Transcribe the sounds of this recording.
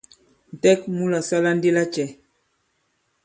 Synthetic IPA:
n̩˨tɛ˦k̚mu˦la˨sa˦la˦n˦de˦la˦t͡ʃɛ˨

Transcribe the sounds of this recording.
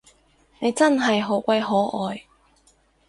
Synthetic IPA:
ne˨˧jt͡sɐ˥nɦɐ˨jɦo˨˥wkʷɐ˧jɦɔː˨˥ʔɔː˨j

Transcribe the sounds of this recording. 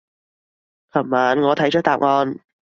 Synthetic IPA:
kʰɐ˨˩mmaː˨˥nŋɔː˨˧t̪ʰɐ˨˥jt͡ʃ̚ʰt̪aː˨˩p̚ŋɔː˧n

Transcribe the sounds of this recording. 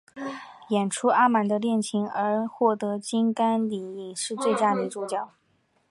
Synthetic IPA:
jɛ˨˩nʈ͡ʂʰu˥ʔa˥ma˨˩nd̪ə˧ljɛ˥˩nt͡ɕʰi˧˥ŋə˞˧˥xwɔ˥˩t̪ɤ˧˥t͡ɕi˥ŋka˥nli˨˩i˨˩ŋʂɻ̩˥˧t͡swe˥˩ɪt͡ɕja˥ni˧˥ʈ͡ʂu˧˥˩t͡ɕjɑ˨˩˦ʊ

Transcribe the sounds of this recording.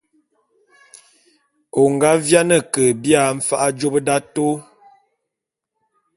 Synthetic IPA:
o˨ŋɡa˦vja˦nə˨kə˨bja˨ɱ̩˦fa˦ʔa˦d͡ʒo˦bə˦da˦to˦

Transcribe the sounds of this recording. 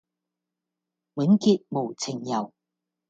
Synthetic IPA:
wi˨˥nki˧t̚mo˨˩wt͡sʰɪ˨˩ŋjɐ˨˩w

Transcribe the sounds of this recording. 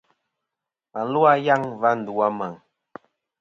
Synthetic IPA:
a˨n˦lwa˦ja˦˨ŋva˦n̩˨du˨a˦ma˨ŋ

